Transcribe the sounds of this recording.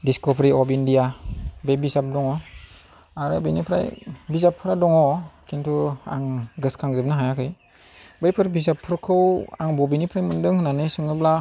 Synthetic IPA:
diskɔbɾiɔbindijabebizap̚dɔŋɔ | aɾɯbijnipʰɾa̰jbizapʰːɯɾadɔŋɔkʰintʰua̰ŋɡɯskʰaŋzɯp̚naɦajakʰɯj | bajpʰɯɾbizapʰːɯɾkʰɯwa̰ŋbɔbinipʰɾajmɯndɯŋhɯnanɯsɯŋɯbla

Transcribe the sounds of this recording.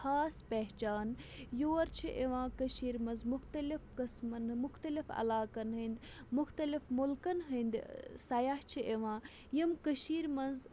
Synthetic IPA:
xaːspɛɦt͡ʃaːnjoːɾt͡ʃʰiʔeʋãːkɐʃiːɾmɐnzmʊxt̪ɐlifkɐsmɐnmʊxt̪ɐlifɐ̰laːkɐnɦɐnd̪ | mʊxt̪ɐlifmʊlkɐnɦɐnd̪sɐjaht͡ʃʰiʔeʋãː | jɐmkəʃiːɾmɐnz

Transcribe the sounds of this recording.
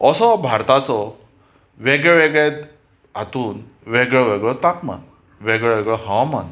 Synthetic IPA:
ɔsɔbʱaɾt̪at͡sɔ | ʋeɡɭeʋeɡɭet̪ | at̪uːn | ʋeɡɭɔʋeɡɭɔt̪ak̚ma̰n | ʋeɡɭʋɛɡɭɔɦawaman

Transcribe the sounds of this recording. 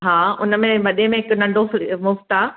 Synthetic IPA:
ɦaːʊ̰nə̆mẽʋɐɗemẽɦɪknɐ̃ɳɖʱofmʊft̪aː

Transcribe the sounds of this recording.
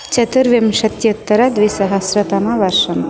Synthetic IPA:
t͡ʃɐt̪ɨɾʋemʃɐt̪jɐt̪ːɐɾad̪ʋesɐɦɐsɾɐt̪amaʋɐɾʃɐn

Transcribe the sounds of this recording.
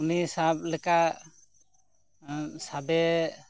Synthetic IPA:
unisab̚lɛkaʔ | sabɛ

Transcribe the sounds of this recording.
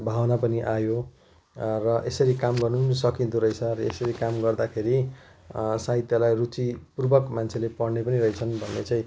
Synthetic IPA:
bʱawnapʌniʔajo | rʌʔesʌɾikamɡʌrnusʌkĩnt̪uɾʌjt͡sʰʌɾʌesʌɾikamɡʌrd̪akʰeɾi | sait̪jʌlajrut͡sipurbʌkmant͡sʰelepʌɽnepʌniɾʌit͡sʰʌnbʱʌnːet͡sãĩ

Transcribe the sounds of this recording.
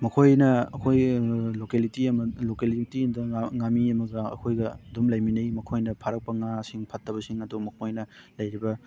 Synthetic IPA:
mɐkʰojnɐɐkʰojlokelitiɐmɐlokelitiɐmdɐŋamiɐmɐɡɐɐ̰kʰojɡɐdumlɐjminɐjmɐkʰojnɐpʰaɾɐk̚pɐŋasiŋpʰɐtʰːɐbɐsiŋɐdumɐkʰojnɐlɐjɾibɐ

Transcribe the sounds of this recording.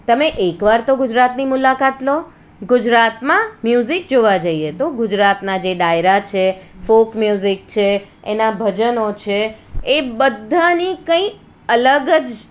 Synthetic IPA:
t̪əmeʔekʋaɾt̪oɡʊd͡ʒɾat̪nimʊlakat̪lo | ɡʊd͡ʒɾat̪mãmjuzik̚d͡ʒoʋad͡ʒəiet̪oɡʊd͡ʒɾat̪nad͡ʒeɖajɾat͡ʃʰefokmjuzik̚t͡ʃʰeenabʱəd͡ʒənot͡ʃʰeː | bəd̪ʱːanikə̃ĩ | ələɡəd͡ʒ

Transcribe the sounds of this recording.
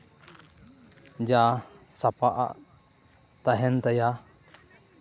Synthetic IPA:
d͡ʒa | sapaʔa̰ʔ | t̪aɦɛnt̪aja

